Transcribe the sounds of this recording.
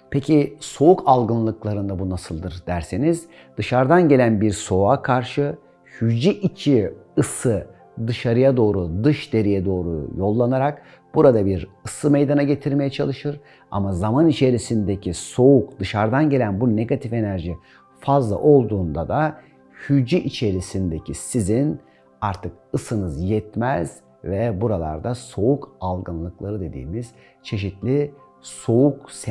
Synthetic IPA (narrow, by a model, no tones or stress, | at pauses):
pʰecʰiso̞ukʰalˠɡɯnlˠɯklˠaɾɯnd̪abunasɯlˠd̪ɯɾd̪æɾseniz̥ | d̪ɯʃaɾd̪anɟe̞lʲænbiɾso̞akʰaɾʃɯ | hyd͡ʒiʔit͡ʃʰiɯsɯ | d̪ɯʃaɾɯjad̪o̞ːɾud̪ɯʃd̪e̞ɾijɛd̪o̞ːɾṵjo̞lˠːanaɾak | b̥uɾad̪abiɾɯsɯme̞jd̪anaɟe̞t̪ʰiɾme̞jɛt͡ʃʰalˠɯʃɯɾ | a̰mazamanit͡ʃʰe̞ɾisind̪e̞cʰiso̞ukd̪ɯʃaɾd̪anɟelʲænbune̞ɡat̪ʰife̞næɾʒi | fazlˠa̰ʔo̞lˠd̪uːnd̪ad̪a | hyd͡ʒiʔit͡ʃʰe̞ɾisind̪e̞cʰisizin | aɾt̪ʰɯkɯsɯnɯzjɛt̪mɛz̥ | vɛbuɾalˠa̰ɾd̪aso̞ukalˠɡɯnlˠɯklˠaɾɯd̪e̞d̪ḭːmiz̥ | t͡ʃʰe̞ʃ̬it̪lʲi | so̞uks